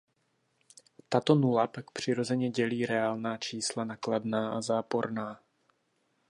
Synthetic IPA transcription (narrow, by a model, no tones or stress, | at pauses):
t̪at̪o̞nulapak̚pr̝̥ɪɾo̞zɛɲɛɟɛliːɾɛaːlnaːt͡ʃiːslanakladnaːʔazaːpo̞ɾnaː